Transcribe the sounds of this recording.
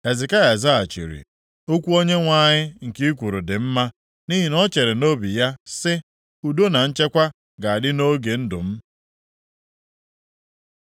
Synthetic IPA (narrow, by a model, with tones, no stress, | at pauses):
e˨zɪ˨ka˦ɣa˨za˦a˨t͡ʃḭ˨ɾḭ˨ | o˦kʷu˦o˦ɲe˦ŋʷa˦ɲɪ˦ŋ̩˨ki˦kʷu˨ɾu˨dɪ˨m̩˦ma˦ | ni˦ɦi˨nɔ˦t͡ʃe˨ɾe˨no˦bi˨ja˦sɪ˦ | u˨do˦na˨n̩˦t͡ʃe˦kʷa˦ | ɡa˨a˨dɪ˦no˦ɡe˨n̩˦dʊ˨m̩˦